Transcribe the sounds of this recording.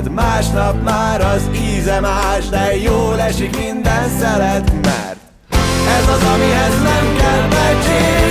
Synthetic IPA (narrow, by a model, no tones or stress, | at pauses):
t̪maːʃnɒpmaːɾɒziːzɛmaːʃd̪ɛjoːlɛʃikmind̪ɛnt̪sɛlɛt̪mɛ̰rt̪̚ | ɛzɒzɒmiɦɛznɛmkɛlmɛt͡ʃe